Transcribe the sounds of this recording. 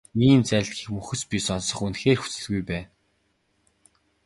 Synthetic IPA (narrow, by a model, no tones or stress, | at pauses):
iːnt͡sæɮtxixmɵxɵ̆spʲisɔnsɞ̆χunxeːrxu̥t͡sɘ̆ɮɣujpæːn